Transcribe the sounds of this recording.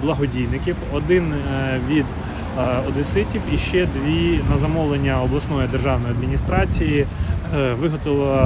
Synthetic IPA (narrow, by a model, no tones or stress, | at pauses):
blˠɐɦɔdʲijnɪkʲiwɔd̪ɪnʋʲid̪ | ɔd̪ɪsɪtʲiwiʃt͡ʃɛd̪ʋʲinɐzɐmɔlˠenʲːɐɔblˠɐsnɔjʊd̪erʒɑwnɔjɐd̪mʲinʲist̪ɾɑt͡sʲiji | ʋɪɦɔt̪ɔlˠɐ